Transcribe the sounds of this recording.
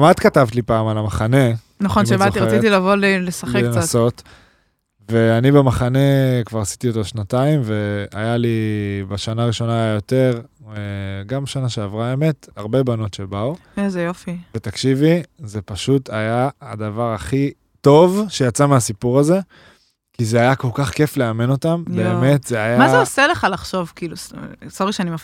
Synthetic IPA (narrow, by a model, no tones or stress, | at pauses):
mat̪katavt̪lipaːmalamaχane̞ | naχonmʃebat̪iʁat͡sit̪ilavolilesaχeklenaso̞t | ve̞anibemaχane̞kvaʁasi̥t̪iotoʃnataimve̞a̰jalibeʃanaːʁiʃo̞naːjajo̞te̞ʁeɡamʃanaʃeavʁaeme̞t̪aʁbe̞bano̞tʃe̞bauzejofivet̪akʃivize̞paʃutʰajaːdavaʁaχi | to̞vʃe̞jat͡sameasipuʁaze̞ | kizeajako̞lkaχke̞fle̞ameno̞tambeːme̞tzeajamazeoseleχalaχʃo̞vkiːlussoʁiʃeanimaf